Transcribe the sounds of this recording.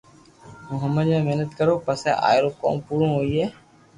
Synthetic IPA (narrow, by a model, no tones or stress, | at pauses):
mʊɦəməd̪mẽːmeɦnət̪kəɾoːpəsḛːʔa̰ːjɾoːko̰ːmpuːɾõːɦoːiːɦeː